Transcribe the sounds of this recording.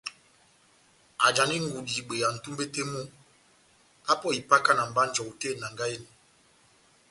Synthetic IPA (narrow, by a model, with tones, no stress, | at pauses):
a˨d͡ʒa˨ni˦ŋ˨ɡu˨di˨ɓe˨ja˨n̩˨tu˦mbe˦te˦mo˦ | ka˦pɔ˦˨i˨pa˦ka˦na˨m̩˨ba˦n̩˦d͡ʒɔ˨u˨te˦˨na˨ŋɡa˦e˦ni˨